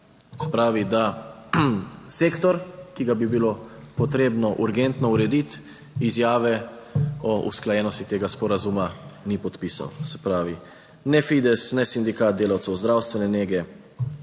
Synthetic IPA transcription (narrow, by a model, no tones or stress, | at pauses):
sɛ̥pɾaːʋid̪a | seːkt̪ɔɾkiɡabibilo | pɔt̪ɾeːbnɔʔuɾɡɛnt̪nɔuɾɛd̪it̪ | izjaːʋɛ | ɔʔṵsklajɛːnɔst̪it̪eːɡaspɔɾazumanipɔt̪pisa̰wsɛ̥pɾaːʋi | nɛfid̪ɛsnɛsind̪ikaːt̪̚d̪eːlawt̪sɛwzd̪ɾawst̪ʋɛnɛneːɡɛ